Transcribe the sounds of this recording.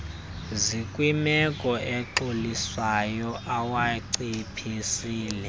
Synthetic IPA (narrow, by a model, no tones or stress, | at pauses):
zikʼwimɛkʼɔɛǁoliswajɔʔawaǀipʰisiːlɛ